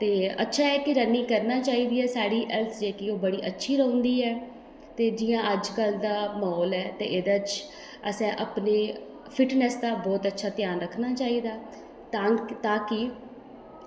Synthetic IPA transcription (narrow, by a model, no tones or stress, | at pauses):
t̪eːətːʃʰaːɛːkɪɾənːiːkəɾnaːt͡ʃaːiːd̪iːɛːsaːɽiːʔɛlt̪ʰd͡ʒeːkioːbəɽiːʔətːʃʰiːɾə̃ːʊnd̪iːɛː | t̪eːd͡ʒɪjãːʔəd͡ʒkəld̪aːmɔːlɛːt̪eːʔɪd̪ət͡ʃ | əsɛ̃ːʔəpneː | fʰɪʈnɛsd̪aːbɔːt̪ətːʃʰaːt̪ɪjaːnɾəkʰːnaːt͡ʃaːiːd̪aː | t̪ãːt̪ãːkɪ